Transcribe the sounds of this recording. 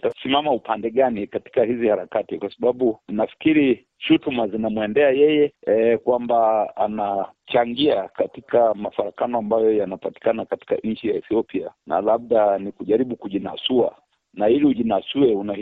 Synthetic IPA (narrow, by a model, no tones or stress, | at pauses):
tasimamaupandɛɠanikati̥kahizihaɾakatikwasaɓaɓunafi̥kiɾi | ʃutumazinamwɛndɛajɛjɛɛkwambaa̰nat͡ʃaŋɡiakatikamafaɾakanɔambajɔjanapati̥kanakati̥ka̰ʔɲ̩t͡ʃijaɛθiɔpianʔa̰lab̚ɗanikuʄaɾiɓukuʄina̰sua̰ | nailiuʄinasuɛuna